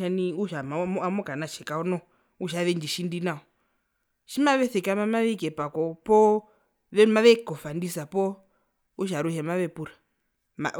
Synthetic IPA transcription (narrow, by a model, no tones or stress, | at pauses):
aniuʃamamɔamɔkanaʃɛkaɔnɔ | uʃ̬aʋɛnd͡ʒiʃindinaɔ | ʃimaʋɛθɛkamamaʋɛkɛpakɔpɔ | ʋɛmaʋɛkɔfandisapɔ | uʃ̬aɾuhɛmaʋɛpuɾa | ma̰